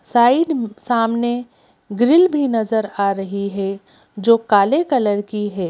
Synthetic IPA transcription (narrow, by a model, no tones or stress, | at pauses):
saːɪɖsaːmne | ɡɾɪlbʱinɐzəɾaːɾɐɦiɦɛ | d͡ʒoːkaːlekɐləɾkiɦɛː